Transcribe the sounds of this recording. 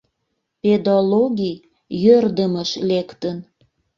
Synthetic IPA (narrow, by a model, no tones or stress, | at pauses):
ped̪oloɣij | jørd̪əməʃlekt̪ən